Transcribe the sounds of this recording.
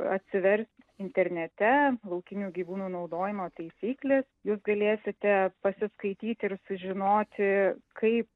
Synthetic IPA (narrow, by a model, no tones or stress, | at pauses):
ɐt̪ʲsʲɪʋʲɛɾʲsʲt̪ʲɪnʲt̪ʲɛɾʲnʲɛt̪ʲɛlˠɐʊkʲɪnʲuːɡʲiːʋuːnuːnɐʊd̪oːjɪmoːt̪ɐɪsʲiːklʲeːsjuːsɡɐlʲeːsʲɪt̪ʲɛpɐsʲɪskɐɪt̪ʲiːt̪ʲɪɾsʊʒʲɪnoːt̪ʲɪkʰɐɪp̚